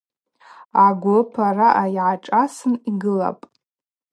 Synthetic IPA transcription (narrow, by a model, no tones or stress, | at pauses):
aɡʷʊpʰaraʔajʕaʈ͡ʂʼasɨniɡɨla̰pʼ